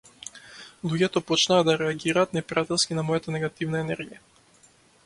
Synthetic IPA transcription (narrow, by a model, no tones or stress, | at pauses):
lˠuɟɛt̪ɔpɔt͡ʃnaːd̪d̪aɾɛaɡiɾaːt̪nɛpɾat̪ɛlˠskinamɔjat̪anɛɡat̪ivnaɛnɛɾɡija